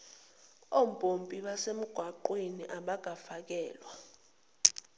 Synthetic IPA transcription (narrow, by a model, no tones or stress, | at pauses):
om̩bʱʼompʼiɓasem̩ɡ̥ʱwaǃwiniʔaɓak̬afak̬ɛːlwa